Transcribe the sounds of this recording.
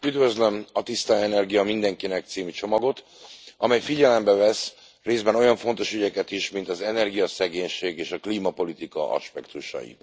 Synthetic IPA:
yd̪vø̞zlømɒt̪ist̪aɛnɛrɡijɒmind̪ɛŋkinɛk̚t̪siːmit͡ʃo̞mɒɡo̞t̪ | ɒmɛjfiɟɛlɛmbɛvɛs | reːzbɛno̞jɒɱfo̞nt̪o̞ʃyɟɛkɛt̪iʃmint̪ɒzɛnɛrɡijɒsɛɡeːɲʃeːɡeːʃɒkliːmɒpo̞lit̪ikɒ̰ʔɒ̰ʃpɛkt̪uʃɒ̰jḭt̪

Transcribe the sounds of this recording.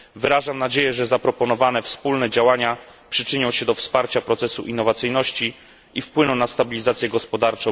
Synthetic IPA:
vɘɾaʐamnad͡ʑejɛʐɛzapɾɔpɔnɔvanɛfspulnɛd͡ʑawaɲapʂɘt͡ʂɘɲɔ̃w̃ɕɛd̪ɔfspaɾt͡ɕapɾɔt̪sɛsuʔinːɔvat̪sɘjnɔɕt͡ɕi | ifpwɘnɔ̃w̃nast̪abʲilʲizat̪sʲjɛɡɔspɔd̪aɾt͡ʂɔ̃

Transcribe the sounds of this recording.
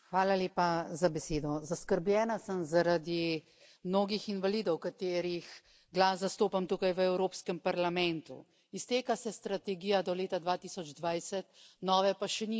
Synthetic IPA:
xʋaːlaleːpazabɛseːd̪ɔzaskəɾblʲjɛːnasəmzaɾad̪i | mnoːɡixinʋaliːd̪ɔwkat̪eːɾix | ɡlaːszast̪oːpamt̪uːkajʋəɛwɾoːpskəmpaɾlamɛnt̪ṵ | ist̪eːkasɛst̪ɾat̪ɛɡiːjad̪ɔleːt̪ad̪ʋat̪iːsɔd͡ʒd̪ʋajsɛt̪̚nɔːʋɛpaʃɛni

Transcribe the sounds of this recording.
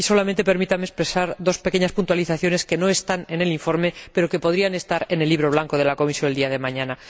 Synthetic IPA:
iso̞lamẽ̞nt̪e̞pe̞ɾmit̪amespɾe̞saɾðo̞spe̞keɲaspunt̪waliθaθjo̞ne̞ske̞no̞e̞st̪ane̞ne̞liɱfo̞ɾme̞pe̞ɾo̞ke̞po̞ð̞ɾiane̞st̪aɾe̞ne̞lːiβɾo̞β̞laŋko̞ð̞e̞lako̞misjoneld̪iaðe̞mãɲãna

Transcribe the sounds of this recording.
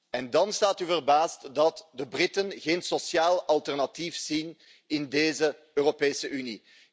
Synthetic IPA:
ɛndɑnstaːtyvərbaːstdɑtdəbrɪtənɣeːnsosjaːlɑlˠtɛrnɑtifz̥in | ɪndeːzə | øːropeːsəʔyni

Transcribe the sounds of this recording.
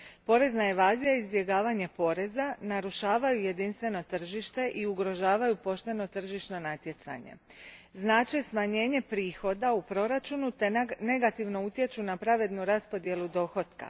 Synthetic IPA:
po̞ɾe̞znaeʋaːzijaizbje̞ɡaːʋaɲe̞po̞ɾe̞zanaɾuʃaːʋajuje̞d̪inst̪ʋe̞no̞t̪r̩ʒiʃt̪e̞ʔiuɡɾo̞ʒaːʋajupo̞ʃt̪e̞no̞t̪r̩ʒiʃno̞nat̪je̞t̪sa̰ɲe̞̰ | znaːt͡ʃesmaɲe̞ːɲe̞pɾiːxo̞d̪aupɾo̞ɾat͡ʃunut̪e̞ne̞ɡat̪iʋno̞ut̪je̞t͡ʃunapɾaʋe̞d̪nuɾaspo̞d̪je̞lud̪o̞xo̞t̪ka̰

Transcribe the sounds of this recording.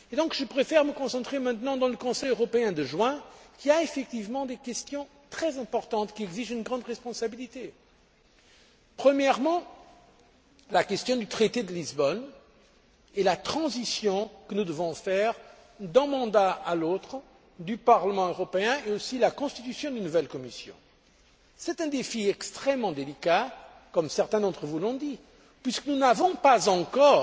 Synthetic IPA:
ed̪ɔ̃kʒəpχefɛʁməkɔ̃sɑ̃t̪χemɛ̃t̪nɑ̃d̪ɑ̃ləkɔ̃sɛjøʁɔpeɛ̃d̪əʒwɛ̃kʲiaefɛk̚t̪ivmɑ̃d̪ekʲɛst̪jɔ̃ | t̪χɛzɛ̃pɔʁt̪ɑ̃t̪kʲiɛɡziʒynɡʁɑ̃d̪ʁɛspɔ̃sabilit̪e | pχəmjɛʁmɑ̃ | lakʲɛst̪jɔ̃d̪yt̪χet̪ed̪əlizbɔn | ɛlat̪χɑ̃zisjɔ̃kənud̪əvɔ̃fɛʁ | d̪ɛ̃mɑ̃d̪aalot̪χə | d̪ypaʁləmɑ̃øʁɔpeɛ̃eosilakɔ̃st̪it̪ysjɔ̃d̪ynuvɛlkɔmisjɔ̰̃ | sɛt̪ɛ̃d̪efiɛkst̪χɛmːɑ̃d̪elika | kɔmsɛʁt̪ɛ̃d̪ɑ̃t̪χəvulɔ̃d̪i | pɥiskənunavɔ̃pazɑ̃kɔʁ

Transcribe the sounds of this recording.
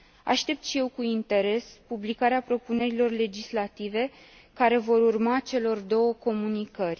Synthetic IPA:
a̰ʃt̪e̞p̚t̪ʃije̞wkuint̪e̞ɾe̞spublikaɾeapɾo̞pune̞ɾilo̞rle̞d͡ʒislat̪ive̞ | kaɾe̞vo̞ɾurmat͡ʃe̞lo̞rd̪o̞wəko̞munikərʲ

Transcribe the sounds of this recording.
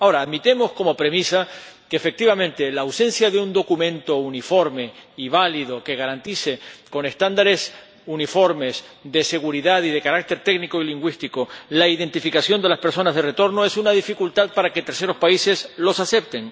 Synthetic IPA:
ao̞ɾaːðmit̪e̞mo̞sko̞mo̞pɾe̞misa | keːfe̞k̚t̪iβamẽnt̪e̞laːwsẽ̞nsjaðeund̪o̞kumẽ̞nt̪o̞unifo̞ɾme̞iβ̞aliðo̞ke̞ɣaɾant̪ise̞ko̞ne̞st̪and̪aɾe̞s | unifo̞ɾme̞sðe̞se̞ɣuɾiðaðiðe̞kaɾak̚t̪e̞ɾt̪e̞ɡnikoiliŋɡwist̪ikolaiðe̞nt̪ifikasjo̞nd̪e̞laspe̞ɾso̞nazðeret̪o̞ɾno̞e̞sunað̞ifikult̪að̚paɾaket̪e̞ɾse̞ɾo̞spaise̞slo̞sase̞p̚t̪e̞ŋ

